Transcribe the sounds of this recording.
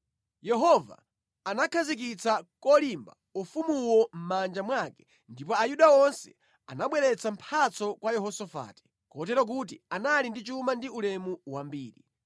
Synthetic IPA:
jɛɦɔva̰ː | nakʰazik̬it͡sakɔlimba̰ | ufumuwɔm̩mand͡ʒamwakɛ̥ | ndipɔajuɗaɔnsɛ̥̰ | a̰naɓwɛɾɛt͡sam̩pʰat͡sɔkwajɛɦɔsɔfa̰ti̥ | kɔtɛɾɔk̬ut̬ianalindit͡ʃumandiulɛmuwambiːɾi

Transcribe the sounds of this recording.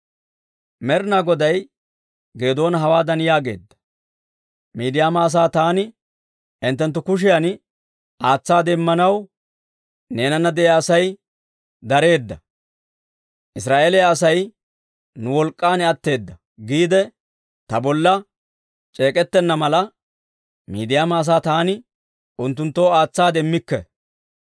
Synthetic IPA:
mɛɾnaɡɔd̪ɐj | ɡe̞ːd̪o̞ːnɐɦɐwaːd̪ɐnjaːɡe̞̰ːd̪ːɐ̥ | miːd̪ɪjaːmɐːs̬aːt̪aːnɪ | ʔɪnt̪ːɛnt̪ːʊkʊʃ̬ɪjɐn | ʔaːt͡sːaːd̪ɛmːɐnɐw | ne̞ːnɐnːɐd̪ɛaːsɐj | d̪ɐɾe̞ːd̪ːɐ | ʔɪsɾaːʔeːlɛjaːsɐj | nʊwɔlkʼːaːnɛɐt̪ːe̞ːd̪ːɐ | ɡiːd̪ɛ | t̪ɐbɔlːɐ | t͡ʃʼe̞ːkʼɛt̪ːɛnːɐmɐlɐ | mḭːd̪ɪjaːmaːs̬aːt̪aːnɪ | ʔʊnt̪ːʊnt̪ːoːaːt͡sːaːd̪ɛmːɪkːɛ

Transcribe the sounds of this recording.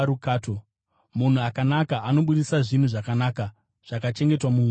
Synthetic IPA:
ɾukaːto | mun̤uakanakaʔano̞ɓuɗisaʐin̤uʐakanaːka | ʐ̥akat͡ʃe̞ŋɡe̞twamuː

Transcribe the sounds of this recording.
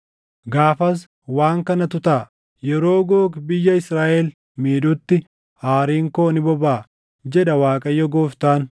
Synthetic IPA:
ɡaːfɐs̬ | waːŋkɐnɐt̪ʊt̪aː | jɛɾo̞ːɡoːkbɪjːɐɪsɾaːʔɛl | miːᶑʊt̪ːɪ | haːɾiːŋkoːnɪbɔbaː | d͡ʒɛᶑɐwaːkʼɐjːɔɡoːft̪aːn

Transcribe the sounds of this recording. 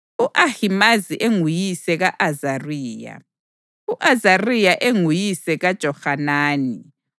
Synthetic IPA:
uʔahimaziʔeŋujisɛɣaʔazariːja̰ | uʔazarijaʔeŋujisɛɣad̥ʒ̥ʱɔxanaːni

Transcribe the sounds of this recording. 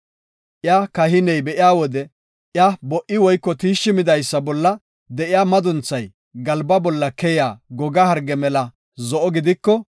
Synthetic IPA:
ʔɪjakɐhɪnɛjbɛʔɪjaːwɔd̪ɛ | ʔjabɔʔɪwɔjkːɔt̪iːʃːɪmɪd̪ɐjsːɐbɔlːɐ | d̪ɛʔɪjaːmɐd̪ʊnt͡sːɐj | ɡɐlbɐbɔlːɐkɛjaːɡɔɡɐhɐɾɡɛmɛlɐ | zɔʔɔɡɪd̪ɪkːɔ

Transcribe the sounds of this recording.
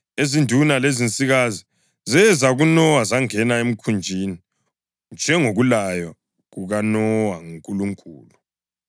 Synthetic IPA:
ezindʱunalezint͡sʼiɣazi | zɛzaɣunɔwazaŋɛnaem̩kʰund͡ʒʱiːni | nd͡ʒʱɛŋoɣulaja | ɣuɣanɔwaŋuŋkʼuluŋkʼuːlu

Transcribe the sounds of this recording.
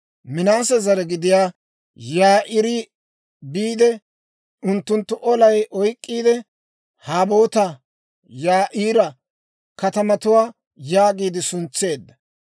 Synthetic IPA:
mɪnaːsɛzɐɾɛɡɪd̪ɪjaː | jaːʔɪɾɪ | biːd̪ɛ | ʊnt̪ːʊnt̪ːʊʔɔlɐjʔɔjkʼːiːd̪ɛ | haːbo̞ːt̪ɐ | jaːʔiːɾɐ | kɐt̪ɐmɐt̪ʊwaː | jaːɡiːd̪ɪsʊnt͡sːe̞ːd̪ːɐ

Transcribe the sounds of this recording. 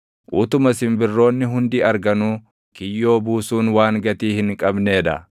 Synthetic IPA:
ʔuːt̪ʊmɐsɪmbɪrːo̞ːnːɪɦʊnd̪iːɐɾɡɐnuː | kɪjːo̞ːbuːsuːnwaːŋɡɐt̪iːhɪŋkʼɐbne̞ːd̪ɐ̰

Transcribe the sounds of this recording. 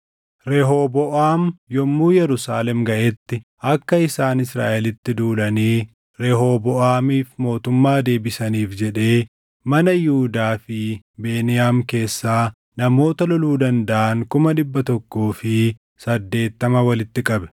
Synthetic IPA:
ɾɛɦobɔʔaːmjɔmːuːjɛɾʊsaːlɛmɡɐʔɛt̪ːɪʔɐkːɐɪsaːnɪsɾa̰ːʔɛlɪt̪ːɪd̪uːlɐniː | ɾɛɦobɔʔaːmiːfmo̞ːt̪ʊmːaːd̪e̞ːbɪsɐniːfd͡ʒɛᶑe̞ː | mɐnɐjʊhʊd̪aːfɪ | be̞ːnɪjaːmke̞ːsːaː | nɐmo̞ːt̪ɐlɔluːd̪ɐnd̪ɐʔɐŋkʊmɐᶑɪbːɐt̪ɔkːoːfɪ | sɐd̪ːe̞ːt̪ːɐmɐwɐlɪt̪ːɪkʼɐbɛ̥

